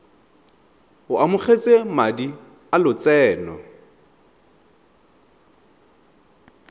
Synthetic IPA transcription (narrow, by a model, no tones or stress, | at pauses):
hʊʔamʊχet͡sʼemadi | alʊt͡sɛːnɔ